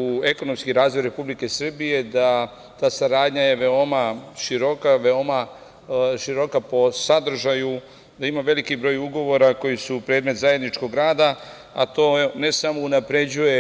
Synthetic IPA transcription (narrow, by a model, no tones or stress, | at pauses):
ue̞ko̞no̞mskiɾaːzʋo̞jɾe̞publike̞sr̩bije̞d̪a | t̪aːsaɾaːd̪ɲaje̞ʋeo̞maʃiɾo̞kaʋeo̞ma | ʃiɾo̞kapo̞sad̪r̩ʒaju | d̪aimaʋe̞likibɾo̞ːjuɡo̞ʋo̞ɾako̞jisupɾeːd̪met̪zaje̞d̪nit͡ʃko̞ɡɾaːd̪a | at̪o̞ːne̞samo̞unapɾe̞d͡ʑuje̞